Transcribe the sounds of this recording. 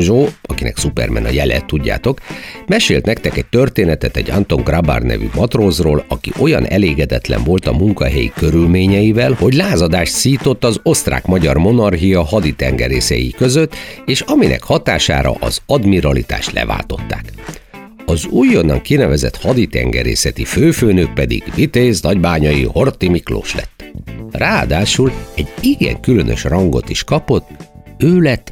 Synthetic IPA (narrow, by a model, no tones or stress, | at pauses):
ʒoːɒkinɛ̰ksupɛrmɛnɒjɛlɛt̪ːuɟːa̰ːt̪o̞kmɛʃeːlt̪nɛk̚t̪ɛkɛc̚t̪ø̞rt̪eːnɛt̪ɛt̪ɛɟant̪oŋɡraba̰rnɛ̰vy̰mɒt̪roːzroːlɒkiʔo̞jɒnʔɛleːɡɛd̪ɛt̪lɛ̰ɱvo̞lt̪ɒmuŋkɒɦɛjḭkøɾylmeːɲɛjivɛlho̞ɟlaːzɒd̪aːʃt̪siːt̪o̞t̪ːɒzo̞st̪ra̰ːkmɒɟɒrmo̞nɒrɦijɒɦɒd̪it̪ɛŋɡɛɾeːsɛjḭkø̞zøt̪ːeːʃɒminɛ̰khɒt̪aːʃa̰ːɾɒ̰ʔɒzɒd̪miɾɒlit̪a̰ːʃt̪lɛ̰va̰ːlt̪o̞t̪ːaːk | ɒzujːonɒŋkinɛvɛzɛ̰t̪hɒd̪it̪ɛ̰ŋɡɛɾḛːsɛt̪iføːføːnøk̚pɛd̪ḭɡ̥vit̪eːznɒɟbaːɲɒjiho̞rt̪imiklo̰ːʃlɛ̰t̪ːraːd̪aːʃulɛɟiɡɛ̰ŋkylønø̞̰ʃrɒŋɡo̞̰t̪iʃkɒpo̞t̪ːøːlɛt̪ː